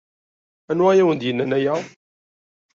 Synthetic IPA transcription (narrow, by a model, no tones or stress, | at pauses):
ænwajæwənd̪jənːænæjæ